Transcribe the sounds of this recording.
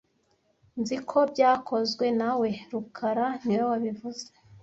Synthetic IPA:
nzikʰo̞bɟaːkʰo̞zɡwe̞nawe̞ɾukʰaɾaniwowaβivuze̥

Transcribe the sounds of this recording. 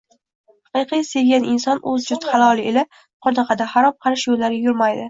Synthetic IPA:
hɑqɨjqʰɨjseɡʲanɪnsɒnʔɵzd͡ʒʊt̪χɑlˠɒlˠɪela | qʰɒd̪ɑqʰɑd̪ahaɾɒmqʰɑɾɪʃjolːaɾʲajʊɾmajd̪ɪ

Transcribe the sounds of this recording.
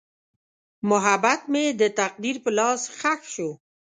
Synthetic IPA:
mʊɦabat̪med̪ət̪aq̚d̪iɾpəlɑsxaxʃo

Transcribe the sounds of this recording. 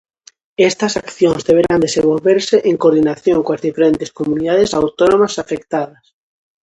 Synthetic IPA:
ɛst̪ɐsakθjõnzðeβ̞eɾand̪esẽmbolβeɾseʔeŋkoɾðinaθjoŋkoɐzðifeɾent̪e̥skomuniðaðɪsawt̪onõmasafekt̪aðɐs

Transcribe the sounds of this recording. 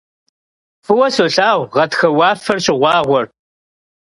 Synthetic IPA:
fɨwɐsoːɬaːwʁɐtxɐwɑːfɐrɕʼɪʁʷɑːʁʷɔr

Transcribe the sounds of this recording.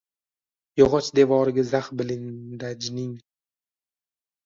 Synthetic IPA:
jɒʁɒt͡ʃd̪e̞vɒːɾɪɡʲazaχbɪlɪŋd̪ad͡ʒnɪŋ

